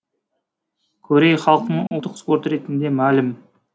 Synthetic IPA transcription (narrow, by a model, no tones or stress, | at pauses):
kʲʰɵɾe̞jχɑlˠəqənəɴʊ̰lˠt̪ːəqspo̞ɾt̪ɾe̞t̪ɪnd̪e̞mælɪm